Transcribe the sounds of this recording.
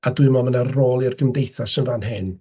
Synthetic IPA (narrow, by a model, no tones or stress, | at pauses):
adʊɨmɔmənarroːlˠɪrɡəmdejθasənvanɦɪn